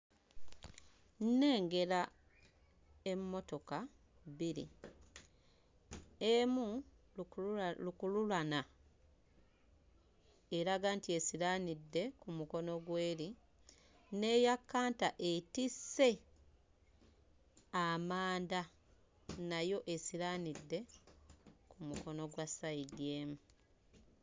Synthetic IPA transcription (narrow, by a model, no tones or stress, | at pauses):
nne̞ːŋɡe̞ɾa | e̞mːo̞to̞ka | βiɾḭ | emu | lukululana | e̞ɾaɡaːntie̞siɾaːnidːe̞kumuko̞no̞ɡwe̞ːɾi | ne̞ːjakːaːntaʔe̞tisːe̞ | amaːnda | najo̞ʔe̞siɾanidːe̞ | kumuko̞no̞ɡwasaidjeːmu